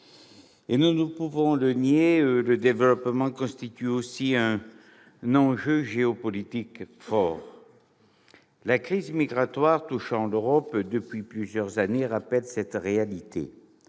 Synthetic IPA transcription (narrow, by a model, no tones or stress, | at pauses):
enunupuvɔ̃lənjeøləd̪evəlɔpmɑ̃kɔ̃st̪it̪yosiɛ̃ | nɑ̃ʒøʒeɔpɔlit̪ikfɔʁ | lakχizmiɡʁat̪waʁt̪uʃɑ̃løʁɔpd̪əpɥiplyzjœʁzaneʁapɛlsɛt̪ʁealit̪ʰḛ